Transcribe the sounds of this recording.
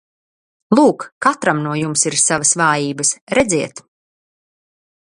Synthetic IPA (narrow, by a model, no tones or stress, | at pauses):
lˠuːkːat̪ɾamnuɔjumsiɾsavəsvaːjiːbəsɾɛd̪zʲiɛt̪